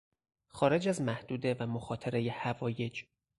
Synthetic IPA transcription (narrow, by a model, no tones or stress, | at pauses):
xɒːɾe̞d͡ʒæzmæhd̪̥uːd̪evæmoxɒːt̪ʰeɾe̞jehævɒːje̞d͡ʒ